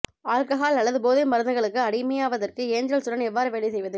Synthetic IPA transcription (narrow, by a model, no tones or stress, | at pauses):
aːlkɐɦaːlɐlːɐðɯpoːðɯmɐɾɯnɐɣɐɭɯkːɯɐɽɪmɐjaːʋɐðɐrkɯeːɲd͡ʒɾɐlsʊɾɐnɛʋːaːɾɯʋeːɭɪsɛjʋɐðɯ